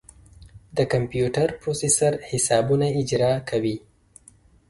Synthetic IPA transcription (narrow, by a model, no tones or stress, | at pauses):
d̪əkampjuʈaɾpɾosesaɾhɪsɑbunaɪd͡ʒɾɑkʰawi